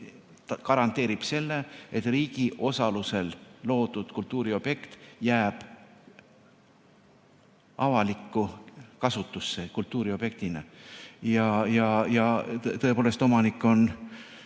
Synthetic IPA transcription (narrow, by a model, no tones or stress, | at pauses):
kɑɾɑnt̪ːˑe̞ːɾib̥se̞lːe̞e̞t̪ˑriːɡ̥iʔo̞sɑluse̞lːo̞ːd̪̥ud̪̥kult̪ˑːuːɾio̞b̥je̞kt̪jæːb̥ | ʔɑvɑlikːukɑsut̪ːˑusːekult̪ːˑuːɾio̞b̥je̞k̚t̪inɑjɑjɑjɑt̪ɤ̞epoːle̞st̪o̞mɑnikːˑo̞n